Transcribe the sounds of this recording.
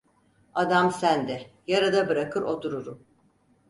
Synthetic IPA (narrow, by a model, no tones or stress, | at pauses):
ad̪amsænd̪ɛjaɾad̪abɯɾakʰɯɾo̞t̪ʰuɾuɾum